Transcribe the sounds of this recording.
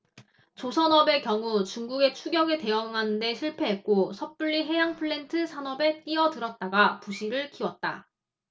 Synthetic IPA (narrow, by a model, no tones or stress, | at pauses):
t͡ɕosʰʌnʌbe̞kjʌŋut͡ɕuŋɡuɡe̞t͡ɕʰuɡjʌɡete̞jʌŋɦanɯnde̞ɕʰiɭpʰe̞ɦe̞t̚k͈osʰʌp͈uʎːiɦe̞jaŋpʰɯɭːe̞ntʰɯsʰanʌbe̞t͈iʌtɯɾʌt̚t͈aɡapuɕʰiɾɯɭkiwʌt̚t͈a̰